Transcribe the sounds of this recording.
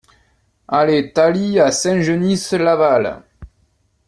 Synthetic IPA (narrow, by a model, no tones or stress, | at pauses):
alet̪aliasɛ̃ʒənislaval̰